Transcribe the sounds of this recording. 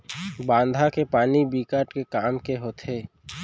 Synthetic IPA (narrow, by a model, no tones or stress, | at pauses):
bãːnd̪ʱakepaːnibiːkaːɾʈkekaːmkeɦoːt̪ʰeː